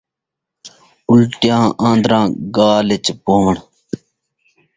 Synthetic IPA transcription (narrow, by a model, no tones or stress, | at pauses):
ulʈjãːʔãːnd̪ɾãːɡaːlet͡ɕpoːʋəɳ